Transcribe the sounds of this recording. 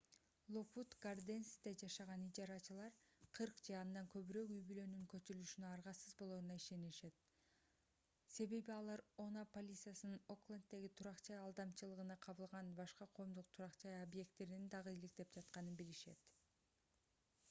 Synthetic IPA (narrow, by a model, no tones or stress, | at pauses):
lˠoput̪ɡ̥ard̪enst̪ed͡ʒɑʃɑʁɑnid͡ʒɑɾɑt͡ʃɯlˠɑɾqʰɯɾqd͡ʒɑːnd̪ɑŋkø̞βyɾøkyjbylø̞nyŋkø̞t͡ʃyɾylyʃynøɑɾʁɑsɯzbo̞lˠoːɾunɑiʃe̞niʃe̞t̪ | se̞βe̞βiɑlˠɑɾo̞napolʲit̪sɨjasɯnɯnoklˠant̪ːe̞ɡit̪ʰuɾɑqt͡ʃɑjɑlˠd̪ɑmt͡ʃɯlˠɯʁɯnɑqʰɑβɯlˠʁɑnbɑʃqɑqʰo̞ːmd̪uq̚t̪ʰuɾɑqt͡ʃɑjobje̞k̚t̪ːe̞ɾinind̪ɑʁɯilik̚t̪e̞p̚d͡ʒɑt̪qɑnɯnbiliʃe̞̰t̪